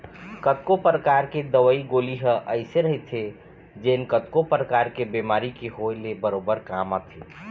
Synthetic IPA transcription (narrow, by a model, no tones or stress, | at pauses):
kət̪kopɾəkaɾked̪əwəiɡoliɦəʔəɪseɾəɦjt̪ʰe | d͡ʒenkət̪kopɾəkaɾkebemaɾikeɦojlebəɾobəɾkamət̪ʰi